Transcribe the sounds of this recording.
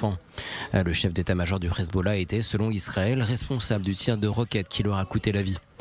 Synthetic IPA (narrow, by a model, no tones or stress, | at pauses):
ɑ̃ | ləʃɛfd̪et̪amaʒɔʁd̪ypʁɛzbolaet̪ɛsəlɔ̃isχaɛlʁɛspɔ̃sabld̪yt̪ʰiʁd̪əʁəkʲɛt̪kʲʰilœʁakut̪elavi